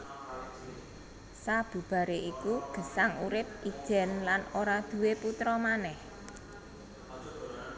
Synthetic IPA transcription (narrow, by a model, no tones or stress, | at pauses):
sab̥ṳb̥a̤ɾeʔikuɡ̥ə̤saŋuɾɪp̚id̥ʒ̥ɛ̤nlanoɾad̪̥ṳweput̪ɾɔmanɛh